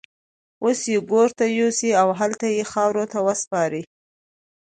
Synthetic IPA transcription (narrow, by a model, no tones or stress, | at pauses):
osjeɡoɾt̪ajosiawɦalt̪ajexɑwɾot̪awəspɑɾi